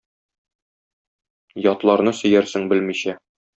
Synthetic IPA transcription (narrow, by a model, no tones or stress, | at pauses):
jɒt̪lˠɑɾnɤsɵ̆jæɾsɘŋbɘlmiɕæ